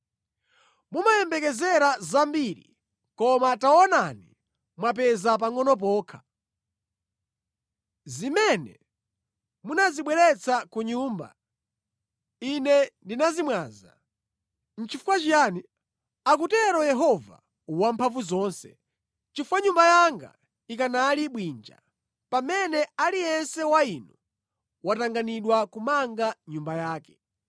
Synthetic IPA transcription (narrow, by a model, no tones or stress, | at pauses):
mumajɛmbɛkɛzɛɾazambiɾḭ | kɔmataɔnani | mwap̬ɛzap̬aŋɔnɔp̬ɔːkʰḁ | zimɛnɛ̰ | munaziɓwɛɾɛt͡sʰakuɲuːmba̰ | inɛndinazimwaːza̰ | n̩t͡ʃʰifukwat͡ʃijani | ak̬utɛɾɔjɛɦɔva̰ | wampʰavuzɔːnsɛ | t͡ʃifuwaɲumbajaŋɡa̰ | ik̬analiɓwiːnd͡ʒa̰ | pamɛnɛalijɛnsɛwainu | wataŋɡaniɗwakumaŋɡaɲumbajaːkɛ